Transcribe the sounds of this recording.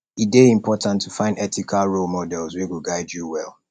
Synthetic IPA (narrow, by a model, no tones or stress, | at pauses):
ideĩmpʰɔtʰãntʰːufãɪ̃ndɛtikʰalɹolmɔdɛlˠzweɡuɡaɪdjuwɛlˠ